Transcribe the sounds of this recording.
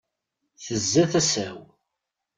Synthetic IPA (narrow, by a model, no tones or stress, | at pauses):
θəzːæθæsæw